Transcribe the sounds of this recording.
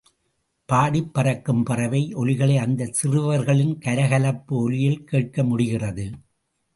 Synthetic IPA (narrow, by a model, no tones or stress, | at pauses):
paːɽɪpːɐrɐkːɯmpɐrɐʋɐɪʔɔlɪɣɐɭɐɪɐnd̪ɐsɪrɯʋɐɾɣɐɭɪnkɐɾɐɣɐlɐpːɯɔlɪjɪlkeːʈ̚kɐmʊɽɪɣɪrɐðɯ